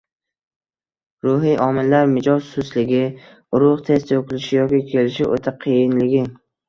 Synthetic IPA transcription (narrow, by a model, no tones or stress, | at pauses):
ɾʊɦijʔɒmɪlːaɾmɪd͡ʒɒzsʊslɪɡʲɪ | ʊɾʊʁt̪ʰe̞st̪okʲɪlɪʃɪjɒkʲɪkʲʰe̞lɪʃɪʔot̪ʰaqʰijɪnlɪɡʲɪ